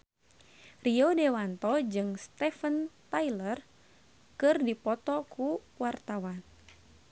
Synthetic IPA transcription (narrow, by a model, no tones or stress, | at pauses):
riodewant̪ɔd͡ʒɨŋst̪ɛfənt̪ajlər | kɨrdipɔt̪ɔkuwart̪awan